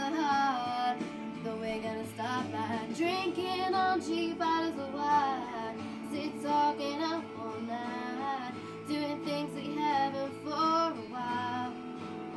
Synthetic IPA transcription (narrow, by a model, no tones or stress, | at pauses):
a | ðəwɪɡʌnɨstɑp̚adɹɪ̃ŋkɪ̃ŋə̃nd͡ʒibaɾəzəwa | sɪttʰɔkɪ̃ŋə | o | na | d̥ʉɪ̃ŋθɪ̃ŋziɦævɨ̃nfəɹəwaɪɪllˠ